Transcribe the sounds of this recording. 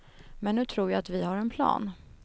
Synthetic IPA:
mɛnːʉ̟ːt̪ʰɾuːɾjaat̪vɪhaɾɛnpʰlɑ̰ːn

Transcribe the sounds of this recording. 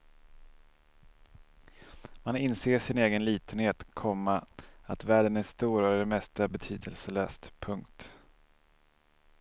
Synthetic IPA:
manɪnseːʂɪneːɡənliːt̪ənheːt̪kʰɔmːaat̪væːɖənæʂt̪uːɾœɖ̪ɛmɛst̪abɛt̪ʰyːd̪əlsəlœːst̪pʰɵŋkt̪

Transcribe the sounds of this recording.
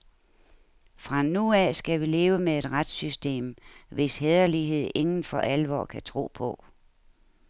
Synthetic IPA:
fʁɑ̈nuæsɡ̥æʋile̝ːʊəmee̝d̥ʁad̥sysd̥e̝̰ːmʋe̝sɦeðˠɐliɦe̝ð̞̰ˠe̝ŋn̩fɒ̽ʔælʋɒ̰ːkʰæt͡sʰʁo̝̰ːpʰɒ̽

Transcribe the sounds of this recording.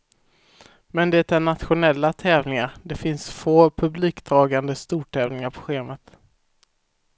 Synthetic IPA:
mɛnd̪ɛt̪ɛɳat̪ɧʊnɛlːat̪ʰɛːvnɪŋaɾd̪ɛfɪnsfoːpʰɵbliːkd̪ɾɑːɡand̪əst̪uːʈʰɛːvlnɪŋaɾpʰɔ̥ɧeːmət̪

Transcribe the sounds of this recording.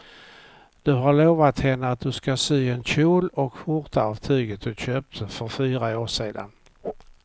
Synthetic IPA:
d̪̥ɵɦaɭoːvat̪hɛnːəat̪̚d̪ɵskasyːɛnɕuːlɔkfʊɾt̪aɑvt̪ʰyːɡət̪̚d̪ɵɕøːp̚t̪fœɾfyːɾaoːʂeːd̪a̰n

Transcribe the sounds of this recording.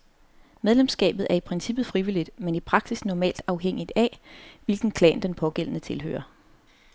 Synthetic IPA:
meðˠlemsɡ̥ɛ̰ːb̥ð̞̩ˠæɐipʰʁɛnsib̥ð̩ˠfʁiʋilid̥menipʰʁɑ̈ɡ̥sisnɒmɛ̰ːld̥ɑ̈ʊɦeŋ̰id̥æʋe̝lɡ̥n̩kʰlɛ̰ːnd̥enpʰɒ̽ɡ̥el̰ənət͡sʰe̝lɦø̰ːɐ

